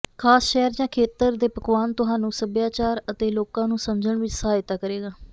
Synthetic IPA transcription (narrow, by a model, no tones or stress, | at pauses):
kʰaːsʃɛːəɾd͡ʒãːkʰeːt̪əɾd̪eːpəkʋaːnt̪ʊɦaːnũːsəbjaːt͡ʃaːɾət̪eːloːkãːnũːsəmd͡ʒəɳʋɪt͡ʃsəɦaːjt̪aːkəɾeːɡaː